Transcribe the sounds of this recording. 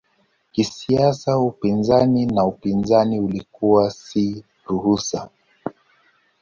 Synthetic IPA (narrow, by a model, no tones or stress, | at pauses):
kisiasawupinzaninaupinzaniulikuwasi | ɾuhusa